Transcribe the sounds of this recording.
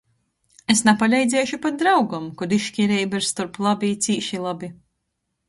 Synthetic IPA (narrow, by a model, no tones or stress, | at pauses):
esnapalʲɛjd̪zʲɛːjʃupat̪̚d̪ɾawɡamkɔd̪iʃkʲiɾɛjbɛɾst̪uɾplˠabʲit̪sʲiːʃilˠabʲi